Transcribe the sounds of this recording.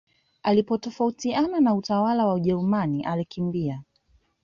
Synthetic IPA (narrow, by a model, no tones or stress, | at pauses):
alipɔtɔfautiananautawalawauʄɛɾumaniʔalikimbia